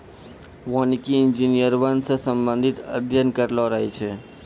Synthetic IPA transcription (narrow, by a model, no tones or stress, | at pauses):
ʋonikiɪnd͡ʒinijəɾʋənsə̃səmbə̃nd̪ʱit̪ə̰d̪ʱjənkəɾlɔɾəɦɛt͡ʃʰɛ